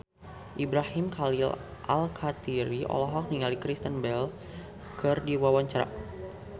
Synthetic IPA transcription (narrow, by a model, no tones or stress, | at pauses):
ʔibɾahimkʰalilʔa̰lkʰat̪iɾiʔɔ̰lɔɦɔk̚niŋalikɾist̪ənbɛl | kɨrdiwawaɲt͡ʃaɾa̰